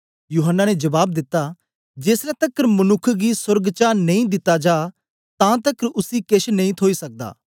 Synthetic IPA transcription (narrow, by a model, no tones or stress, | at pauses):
juːɦənːaːned͡ʒɐbaːb̚d̪ɪt̪ːaː | d͡ʒeːsɾɛt̪əkːəɾmənʊkʰːɡisʊɾɡt͡ʃaːnɐĩːd̪ɪt̪ːaːd͡ʒaː | t̪ãːt̪əkəɾʊsiːkɪʃnɐĩt̪ʰoːiːsɐk̚d̪a̰ː